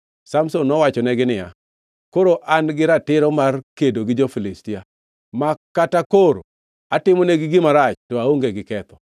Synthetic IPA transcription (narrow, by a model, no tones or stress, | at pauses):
samsonːɔwat͡ʃɔnɛɡɪnɪja̰ | koɾoʔanɡɪɾatɪɾɔmarkedoɡɪd͡ʒofilɪstɪja | makatakoɾo | atɪmɔnɛɡɪɡɪmaɾat͡ʃtɔaoŋɡeɡɪkɛt̪ɔ̥